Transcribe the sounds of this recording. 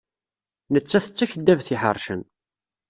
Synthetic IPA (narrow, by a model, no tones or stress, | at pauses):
nət͡sːæθət͡sːæçəd̪ːævθiħə̰ɾˤʃə̰n